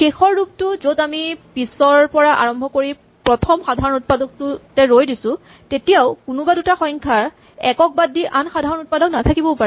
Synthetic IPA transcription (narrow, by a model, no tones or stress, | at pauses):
kexɔɹːub̚tʊzodamipisɔɹpɔɹaʔa̰ɹɔmbʱɔkoɹi | pɹɔtʰɔmxadʱaɹɔnut̚padɔk̚tʊtɛɹojdisʊ̃ | tetijawkʊnʊbadutaxɔjŋkʰaɹ | ɛkɔk̚badːiʔanxadʱaɹɔnut̚padɔknatʰakibɔpaɹɛɛ